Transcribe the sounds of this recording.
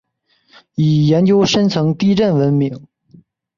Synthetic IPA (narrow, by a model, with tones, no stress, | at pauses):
i˨˩jɛ˧˥nt͡ɕjo˥ʊʂə˥nt͡sʰɤ˧˥ŋt̪i˥˧ɻə˥˩nwə˧˥nmi˧˥ŋ